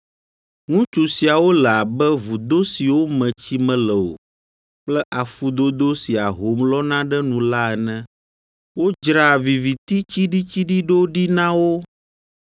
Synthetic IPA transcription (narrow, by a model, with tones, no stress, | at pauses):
ŋũ˦t͡ʃu˨si˨a˨wo˦lɛ˨a˨bɛ˦vu˨d̪o˦si˨wo˦mɛ̃˨t͡ɕi˦mɛ̃˦lɛ˨o̰˨ | k͡plɛ˦ʔa˨fu˦d̪o˦d̪o˦si˨a˨ɦo˨˦mlɔ˦nã˦ɖɛ˦nũ˨la˦ɛ˨nɛ̃˦ | wo˦d͡ʒɾa˦˨vi˨vi˨t̪i˦t͡ɕi˦ɖi˦t͡ɕi˦ɖi˦ɖo˦ɖi˦nã˦wo˦